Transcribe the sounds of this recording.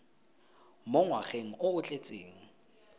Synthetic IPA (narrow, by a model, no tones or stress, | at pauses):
mʊŋwaχeŋ̩ʊʊt͡ɬʼet͡sʼeːŋ̩